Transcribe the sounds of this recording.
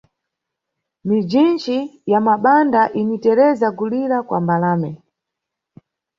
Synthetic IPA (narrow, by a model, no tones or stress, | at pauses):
mid͡ʒint͡ʃijamaɓandaʔinitɛɾɛzaɡuliɾakwa̰mbalaːmɛ